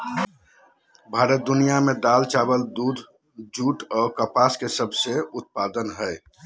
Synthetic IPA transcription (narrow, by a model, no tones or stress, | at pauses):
bʱaɾət̪̚d̪unijamed̪alt͡ʃabəld̪ud̪ʱ | d͡ʒuʈɔːkəpaskesəbʱseut̪̚pad̪ənɦəɪ